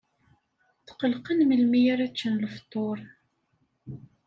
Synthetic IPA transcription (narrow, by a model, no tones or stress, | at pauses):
θqəlqənməlmijæɾæt͡ʃːənləft̪ˤːoɾˤ